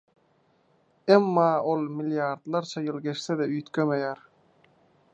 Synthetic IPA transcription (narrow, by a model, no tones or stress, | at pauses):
emːɑːo̞lˠmilʲjɑɾd̪lˠɑɾt͡ʃʰɑjɯlˠɡe̞ʃθed̪eyjt̪kʰømejæɾ